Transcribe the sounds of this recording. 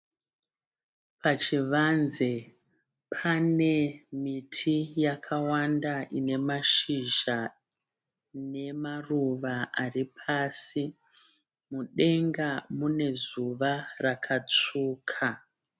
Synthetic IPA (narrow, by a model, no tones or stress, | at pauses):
pat͡ʃiʋanze | pʰane̞mitʰijakʰawandaʔine̞maʃiʒa | ne̞maruʋaaripʰasi | muɗe̞ŋɡamune̞zuʋarakʰat͡suːkʰa